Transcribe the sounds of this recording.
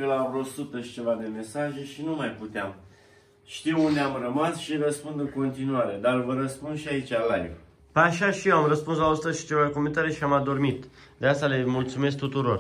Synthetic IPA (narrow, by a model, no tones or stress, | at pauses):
kəlavɾosut̪əʃt͡ʃe̞vad̪e̞me̞saʒeʃinumajput̪eam | ʃt̪iwund̪eamrəmasʃirəspund̪ɨŋko̞nt̪inuaɾe̞d̪aɾvəɾəspund̪ʃiait͡ʃalajv | pəaʃaʃijewamrəspuns̬laost̪əzʃi̥t͡ʃe̞vaekoməɨnt̪aɾe̞ʃiamad̪o̞rmit̪ | d̪east̪alemult̪sume̞s̬k̚t̪ut̪uɾo̞r